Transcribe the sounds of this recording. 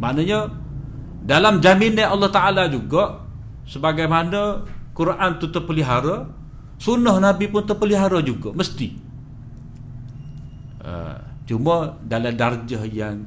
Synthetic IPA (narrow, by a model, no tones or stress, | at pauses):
maʔnəɲə | dalamd͡ʒamineɑlːɑht̪aʔalad͡ʒuɡɔʔ | səbaɡajmanəkuɾʔant̪ut̪əpəliɦaɾə | sunɔhnabipʊnt̪ərpəliɦaɾəd͡ʒuɡəməst̪i | ʔə̰t͡ʃumədaladard͡ʒəhjaŋ